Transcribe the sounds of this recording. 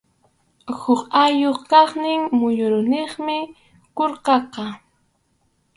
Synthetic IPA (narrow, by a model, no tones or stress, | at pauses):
hʊχajoχkɑχnɪŋmʊjʊɾʊnɪχmɪ | koɾqɑqɑ